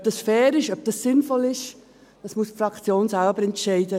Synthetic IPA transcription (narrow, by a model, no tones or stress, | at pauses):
p̚d̥ɑsfɛːɾɪʃœb̚d̥ɑsːɪnfɔlɪʃ | d̥ɑsmusfɾɑkt͡sjoːnsalbəɾɛntʃɛɪdə